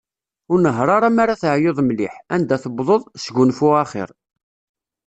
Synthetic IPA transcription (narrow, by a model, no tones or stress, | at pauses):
ʊɾnəɦɾˤɑɾˤɑmaɾaθəʕjoðˤmlɪħænd̪æθəbðˤoðˤsɡunfʊaχɪ̰ɾ